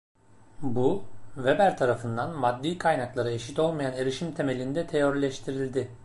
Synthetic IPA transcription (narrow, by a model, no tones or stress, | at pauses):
buvebæɾt̪ʰaɾafɯnd̪anmad̪ːiːkʰajnaklˠaɾɯe̞ʃit̪o̞lˠmajane̞ɾiʃimt̪ʰe̞me̞lʲind̪ɛt̪ʰe̞joɾlʲɛʃt̪ʰiɾilʲd̪ɪ